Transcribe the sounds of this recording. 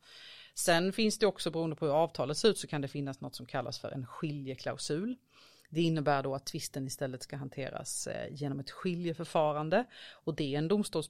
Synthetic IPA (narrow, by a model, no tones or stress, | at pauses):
sɛnfɪnsd̪ɛɔksɔbɛɾuːənd̪əpʰɔhɵɾɑːvt̪ʰɑːlət̪seɾʉ̟ːt̪sɔkʰand̪ɛfɪnːasnɔt̪ːsɔmkʰalːa̰sfœ̰ɾʔɛ̰nɧɪljəkʰla̰ʊsʉ̟ːl | d̪ɛɪnːəbæːɖɔat̪ʰːvɪst̪ənɪst̪ɛlːət̪skaɦant̪ʰeːɾa̰sjeːnɔmɛt̪ɧɪljəfœɾfɑːɾand̪əɔd̪ɛɛnd̪ʊmst̪uːls